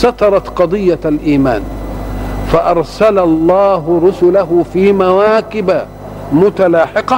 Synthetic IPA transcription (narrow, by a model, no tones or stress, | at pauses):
sɑt̪ɑɾˤɑt̪qɑd̪ˤɨjːalʔiːma̰ːn | faʔɑɾˤsalalˤːɑːɦɾʊsʊlaɦʊfiːmawaːkɪba | mʊt̪alɑːħɪqɑ